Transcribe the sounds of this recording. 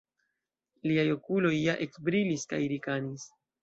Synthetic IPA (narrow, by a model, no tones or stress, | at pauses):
liajo̞kulo̞jːaʔe̞kbɾiliska̰jɾikanis